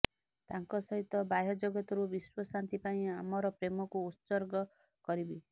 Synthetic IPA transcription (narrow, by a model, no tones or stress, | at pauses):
t̪aŋkɔsɔɦit̪ːɔbajɔd͡ʒoɡɔt̪ɔɾubiswɔsant̪ipaĩamɔɾɔpɾemɔkuːt̪sɔɾɡɔ | kɔɾibi